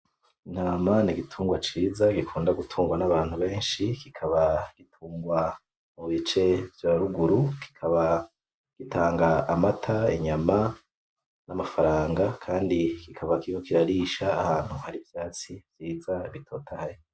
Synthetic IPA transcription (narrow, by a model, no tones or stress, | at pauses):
in̥haːmaniɡitʰuːŋɡwat͡ʃiːzaɡikʰuːndaɡutʰuːŋɡwanaβaːn̥huβe̞ːnʃikikʰaβaɡ̥itʰuːŋɡwa | muβit͡ʃe̞vjaɾuɡuɾukʰi̥kʰaβa | ɡ̥itʰaːŋɡaːmatʰaḛɲama | namafaɾaːŋɡakʰaːndikikʰaβakikokiɾaɾiʃaːhaːn̥huhaɾivjaːt͡sivj̥iːzaβitʰo̞ːtʰahaji